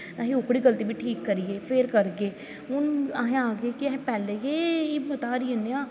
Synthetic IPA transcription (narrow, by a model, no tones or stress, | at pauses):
nãːɦiʊkɽiːɡəlt̪iːbiːʈʰiːkːəɾieːpʰeɾkəɾkeː | ʊnaːɦẽaːɡeːkiɛɦpɛːlejeːibət̪aːɾieneãː